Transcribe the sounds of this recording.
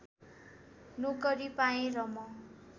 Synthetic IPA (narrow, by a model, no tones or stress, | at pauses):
nukʌɾipaẽɾʌmʌ